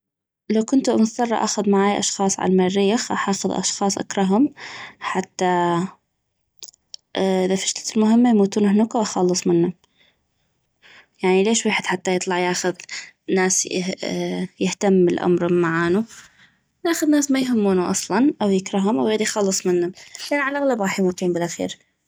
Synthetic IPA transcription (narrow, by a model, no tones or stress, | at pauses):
lawkʊnt̪umʊθt̪ˤɑrˤːɑ̰ʔa̰ːxʊðmaʕaːjʔɑ̰ʃxɑːsˤʕa̰lmariːxʔa̰ħɑːxʊðʔɑ̰ʃxɑːsˤʔa̰kɾˤɑɦʊmħat̪ːa | ʔʔɪðafi̥ʃt̪ḁt̪lmʊɦɪmːajmuːt̪uːnhnukawxɑlːɨsˤmɪnːʊ | jaʕnileːʃweːħɪd̪ħat̪ːajɨt̪ˤlɑʕjaːxʊð | nːaːs | jɪht̪amːɪlʔa̰mɾhʊmːaʕaːnu | naːxʊðnaːsmajɦʊmːuːnuʔɑsˤlɑnʔawjɪkɾˤɑɦʊmʔawɣeːd̪ijxɑlːɨsˤmɪnhʊmlʔanʕalʔaɣlabɣɑːħjmuːt̪uːmbɪlʔaxḭːɾ